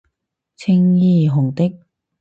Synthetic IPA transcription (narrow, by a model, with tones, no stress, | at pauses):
t͡sʰɪ˧˥ŋjiː˧˩ɦʊ˨˩ŋt̪ɪ˥k̚